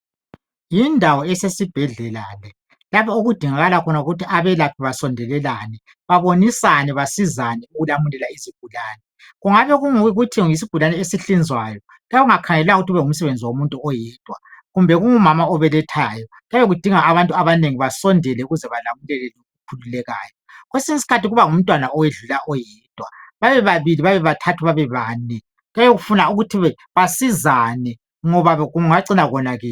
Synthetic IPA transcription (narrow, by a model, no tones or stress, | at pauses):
jindʱawɔesesib̥ʱɛɮɛlalɛ | lapʰɔuɣud̥ʱiŋaɣalakʰɔnauɣutʰiʔaβɛlapʰiβasɔndʱɛlɛlanɛ | βaβonisanɛβasizanɛuɣulamulɛlaiziɡ̥ʱulaːnɛ | ɣuŋaβɛɣuŋuɣutʰiŋis̬iɡ̥ʱulanɛesiɬind͡zʱwajɔ | laauŋakʰaŋɛllaŋuɣutiuβɛŋum̩sɛβend͡zʱiwomuntʼuɔjɛːd̥ʱʼwaɣumbʱɛɣuŋumamaɔβɛlɛtʰajɔ | ɣajoɣud̥ʱiŋaːβantʼuaβaneŋiβasɔndʱɛlɛuɣuzɛβalamulɛlɛluukʰululɛɣa̰ːjɔɣwesiŋisi̥kʰatiɣuβaŋum̩tʼwanaɔjeɮulaʔɔjɛːd̥ʱwaβaβɛβaβiliβaβɛβatʰatʰuβaβɛβaːnɛ | ɣjajoɣufunauɣutʰiβɛ | βasizanɛ | ŋɔβaɣuŋaǀinaɣɔnaɣɛː